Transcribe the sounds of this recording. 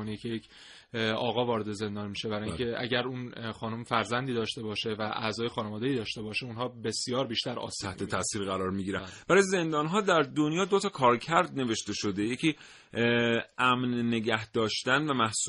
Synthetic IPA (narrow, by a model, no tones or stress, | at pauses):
onicʰejecʰ | ɒːɣɒːvɒːɾed̪e̞ze̞nd̪ɒːnimiːʃebæɾɒːjieʔæ̰ɟæɾuːnxɒːnumfæɾzænd̪iːd̪ɒːʃt̪e̞bɒːʃe̞væʔæ̰zɒːje̞xɒːnevɒːd̪eiːd̪ɒːʃt̪e̞bɒːʃeunɦɒːbe̞sijɒːɾbiːʃt̪æɾɒ̰ːt̪ʰæht̪ʰeæsiːɾɣæɾɒːɾmiɟiːɾænb̥æɾɒjeze̞nd̪ɒːnɦɒːd̪æɾd̪onjɒːd̪o̞t̪ʰɒːkʰɒːɾcʰæɾd̪̚ne̞ve̞ʃt̪e̞ʃo̞d̪eje̞cʰiː | ʔæmnːe̞ɟæhd̪̥ɒːʃt̪ænvæmæhsu